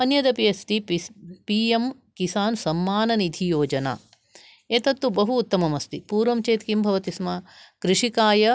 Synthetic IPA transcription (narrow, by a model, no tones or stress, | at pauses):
ɐnjɐd̪ɐpijɐst̪ipiːem | kisaːnsɐmːaːnɐnid̪ʱʰijoːd͡ʒɐna̰ː | eːt̪ɐt̪ːubɐɦuːt̪ːɐmɐmɐst̪ipuːɾʋɐmt͡ʃeːt̪kimbʱɐʋɐt̪ismakɾɪʂikaːjɐ